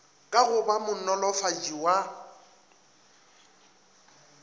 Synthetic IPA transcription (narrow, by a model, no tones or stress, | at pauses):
kʼaɣʊbamʊɔlɔfad͡ʒiwa